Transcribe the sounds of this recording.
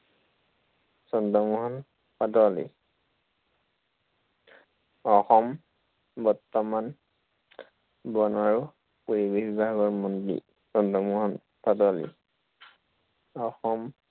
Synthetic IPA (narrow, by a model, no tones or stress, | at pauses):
sɔndɔmuɦɔn | patɔlḭ | ɔxɔm | bɔɹtːɔman | bɔnaɹʊ | puɹibibibʱaɡɔɹmɔndḭ | sɔndɔmuɦɔn | padɔlḭ | ɔxɔm